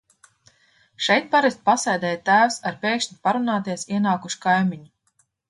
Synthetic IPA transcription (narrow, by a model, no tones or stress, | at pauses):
ʃɛjt̪̚paɾɛsʲt̪̚pasɛjd̪ɛːjt̪ːæːwsaɾpʲeːkʃɲʲipaɾunaːt̪iɛsiɛnaːkuʃkajmiɲu